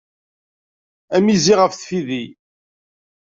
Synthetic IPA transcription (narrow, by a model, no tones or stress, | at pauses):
æmiziʁəfθfiði